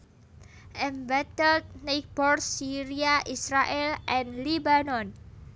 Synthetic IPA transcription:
ʔɛmbat̪əld̪̚nek̚bɔrsiɾiaʔisɾaʔɛlʔɛnlibanɔn

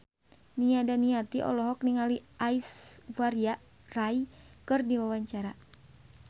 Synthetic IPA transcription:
niadaniat̪iʔɔ̰lɔɦɔk̚niŋaliʔaisvaɾia | rajkɨrdiwawaɲt͡ʃaɾa

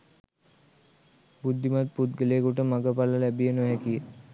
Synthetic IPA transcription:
bud̪ʱːimat̪̚put̪̚ɡəleːkuʈəmaɡəpaləlæbijənuʋɦɛkijə

